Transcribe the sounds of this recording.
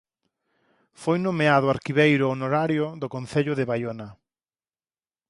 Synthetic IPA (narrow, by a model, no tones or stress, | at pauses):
fojnomeaðʊaɾkiβejɾʊonoɾaɾjʊðʊkon̟θeʎʊðɪβajona